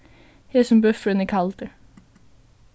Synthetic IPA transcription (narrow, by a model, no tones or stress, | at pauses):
heːsɔmbœfɹənəkʰɑlt̪ə